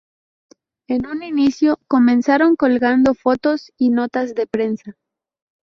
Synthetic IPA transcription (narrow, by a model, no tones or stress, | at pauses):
e̞nuninisjo̞ko̞mẽ̞nsaɾo̞ŋko̞lɣand̪o̞fo̞t̪o̞sino̞t̪azðe̞pɾe̞nsa